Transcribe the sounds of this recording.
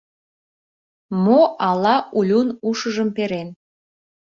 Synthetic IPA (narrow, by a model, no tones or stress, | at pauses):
moʔɑlɑʔulʲunuʃəʒəmpeɾen